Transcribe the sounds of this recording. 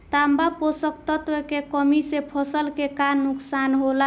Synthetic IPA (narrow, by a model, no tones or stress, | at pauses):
t̪ambaposəkt̪ət̪ʋəkekəmisepʰəsəlkekanːuksanɦola